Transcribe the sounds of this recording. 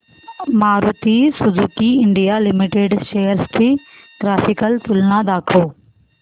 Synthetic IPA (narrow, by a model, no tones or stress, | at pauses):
maːɾut̪isʊzuːkiɪ̃ɳɖijalɪmɪʈeːɖʃejəɾst̪ʰi | ʈɾaːfɪkəlt̪ʊlnad̪aːkʰoː